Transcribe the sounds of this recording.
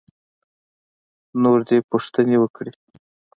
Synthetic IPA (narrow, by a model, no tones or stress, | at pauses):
noɾd̪epuʂt̪ənewəkɽi